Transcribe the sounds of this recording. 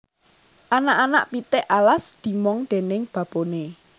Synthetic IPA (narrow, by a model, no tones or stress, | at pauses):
ʔanaʔana̰ʔpit̪ɪʔalasd̪̥i̤mɔŋd̪̥e̤nɪŋb̥ä̤b̥one